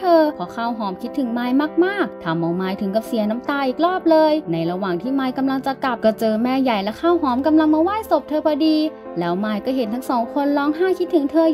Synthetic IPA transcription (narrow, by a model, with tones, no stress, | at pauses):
t̪ʰɤː˧pʰɔ˧˥kʰaː˥˩wɦɔː˩˦mkʰi˦˥t̪ʰːɯ˨˩˦ŋmaː˧jmaː˥˩k̚maː˥˩k̚t̪ʰa˧mʔa˧˩wmaː˧jt̪ʰɯ˨˩˦ŋka˨˩p̚si˨˩˦əna˦˥mt̪aː˧ʔiː˨˩k̚lɔː˥˩p̚lɤː˧jna˧jɾa˧waː˨˩ŋt̪ʰiː˥˩maː˧jka˧mla˧ŋt͡ɕa˨˩ka˨˩p̚kɔː˥˩t͡ɕɤː˧mɛː˧ja˨˩jlɛ˦˥kʰaː˥˩wɦɔː˨˦mka˧mla˧ŋmaː˧waː˥˩jso˨˩p̚t̪ʰɤː˧pʰɔ˧diː˧ | lɛː˦˥wmaː˧jkɔː˥˩ɦe˨˩˦nt̪ʰa˦˥ŋsɔː˩˦ŋkʰo˧nlɔː˦˥ŋɦaː˥˩kʰi˦˥t̪ʰːɯ˩˦ŋt̪ʰɤː˧